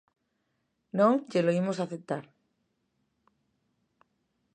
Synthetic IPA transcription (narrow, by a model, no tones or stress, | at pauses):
nõŋkeloimosaθep̚t̪aɾ